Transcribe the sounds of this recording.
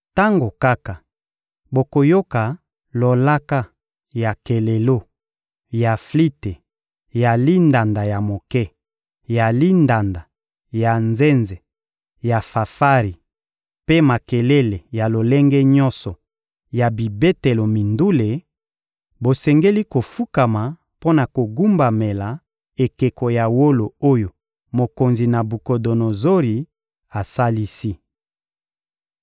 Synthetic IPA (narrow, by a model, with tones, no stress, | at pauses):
ta˦ŋɡo˨ka˦ka˨ | bo˨ko˨jo˦ka˨ | lo˨la˦ka˦ | ja˨ke˨le˨lo˦ | ja˨fli˦te˨ | ja˨li˦nda˨nda˨ja˨mo˨kɛ˦ | ja˨li˦nda˨nda˨ | ja˨nze˦nze˨ | ja˨fa˨fa˦ʁi˨ | pe˦ma˨ke˨le˦le˨ja˨lo˨lɛ˦ŋɡɛ˦ɲɔ˦nsɔ˨ | ja˨bi˨be˦te˨lo˨mi˨ndu˦le˨ | bo˨sɛ˨ŋɡe˦li˦ko˨fu˦ka˨ma˨ | po˦na˨ko˨ɡu˦mba˨me˨la˨ | e˨ke˨ko˨ja˨wo˦lo˨o˦jo˨ | mo˨ko˨nzi˨na˨bu˨ko˨do˨no˨zo˦ʁi˨ | a˨sa˦li˦si˦